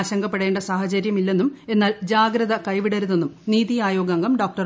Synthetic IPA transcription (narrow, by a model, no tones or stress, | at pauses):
ɕɐŋɡɐpːe̞ɽeːɳɖɐsaːhɐt͡ɕɐɾjɐmilːe̞nːume̞nːaːld͡ʑaːɡɾɐðɐkɐjʋiɽɐɾuðːenːumniːðijaːjo̞ːɡɐŋɡɐmɖo̞ːk̚ʈɐr